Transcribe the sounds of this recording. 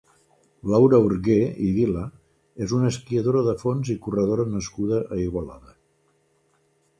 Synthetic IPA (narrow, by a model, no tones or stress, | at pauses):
lawɾəuɾɣeiðilə | ezunəskiəðoɾəðəfonzikurəðoɾənəskuðəʔəiɣwəla̰ðə